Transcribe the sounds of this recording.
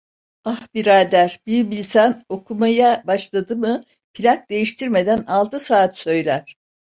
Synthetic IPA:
ahbiɾaːd̪æɾbiɾbilʲsano̞kʰumajabaʃlˠad̪ɯmɯ | pʰilʲak̚d̪e̞jiʃt̪ʰiɾme̞d̪ænalˠt̪ʰɯsaːt̪sø̞jlʲæɾ̥

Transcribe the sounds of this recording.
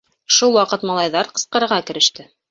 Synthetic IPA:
ʃulˠwɑqɤt̪mɑlˠɑjðɑɾqɤ̆sqɤ̆ɾɤ̆ɾʁɑkɘ̆ɾɘ̆ʃt̪ɘ

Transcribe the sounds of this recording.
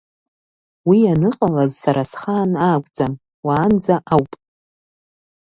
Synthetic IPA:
wianɨqʼalazsaɾasχaːnaːɡʷʼd͡zam | waːnd͡zaʔawpʼ

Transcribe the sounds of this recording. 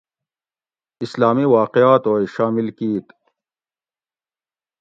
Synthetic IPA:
islaːmiwaːqejaːt̪oːiʃaːmilkiːt̪

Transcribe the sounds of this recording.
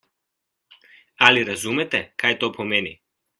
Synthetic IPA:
aliɾazumɛt̪ɛkajt̪ɔpʰɔmɛnḭ

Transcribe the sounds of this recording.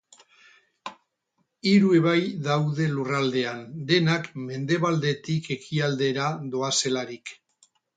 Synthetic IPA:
iɾue̞βajðawðe̞lurald̪e̞and̪e̞nakme̞nd̪e̞βald̪e̞t̪ike̞kiald̪e̞ɾaðo̞ase̞laɾik

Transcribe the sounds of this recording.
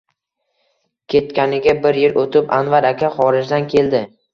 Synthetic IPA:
kʲʰe̞t̪̚kʲʰanɪɡʲabɪɾjɪɾʔot̪ʰɪpanvaɾakʲaχɒɾɪd͡ʒd̪ankʲʰe̞ld̪ɪ

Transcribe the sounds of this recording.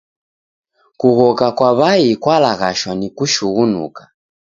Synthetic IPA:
kuɣɔkakwaβaikwalaɣaʃwanikuʃuɣunṵkḁ

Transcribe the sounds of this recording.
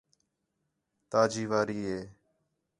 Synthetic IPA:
t̪aːd͡ʒiːʋaːɾiːɦeː

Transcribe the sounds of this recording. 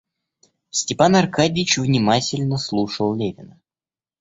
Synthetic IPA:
sʲtʲɪpanɐrkadʲɪt͡ɕvnʲɪmatʲɪlʲnəslˠuʂəlˠlʲevʲɪnə

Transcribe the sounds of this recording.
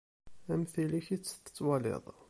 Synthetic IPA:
æmθiliçit͡sːə̥t̪ːə̥t͡sːwɑlḛðˤ

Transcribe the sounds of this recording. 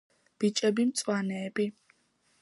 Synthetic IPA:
b̥it͡ʃʼɛbimt̪sʼwanɛːbi

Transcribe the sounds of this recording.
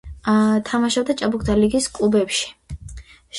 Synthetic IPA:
t̪ʰamaʃɔbd̪at͡ʃʼabukʰd̪aliɡiskʼlubɛpʃi̥ | ʃ

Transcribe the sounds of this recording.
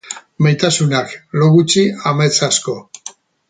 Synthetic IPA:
majt̪asunakloɣut͡ʃiamajt͡sasko̞

